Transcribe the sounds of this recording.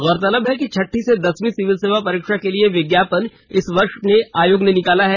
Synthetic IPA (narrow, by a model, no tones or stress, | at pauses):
ɣɔːɾət̪ɐləbɦɛkit͡ʃʰɐʈʰːised̪ɐsmĩsɪʋɪlseːʋapɐɾiːkʃakelieʋɪɡjaːpən | ɪsʋɐɾʃneaːjoːɡnenɪkaːlaɦɛː